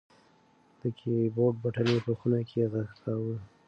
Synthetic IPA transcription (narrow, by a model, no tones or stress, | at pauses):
d̪̥əkʰeboʈ̚baʈalepəxunakʰeɣəxt̪awə